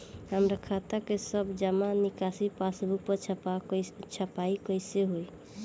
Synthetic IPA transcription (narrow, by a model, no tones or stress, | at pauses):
ɦəmɾakʰat̪akesəbd͡ʒəmanikasipasbʱuk̚pət͡ʃʰəat͡ʃʰəpaikəjseɦoj